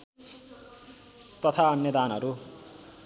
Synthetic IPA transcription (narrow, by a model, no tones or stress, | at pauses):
t̪ʌt̪ʰaʌnjʌd̪aːnɦʌɾu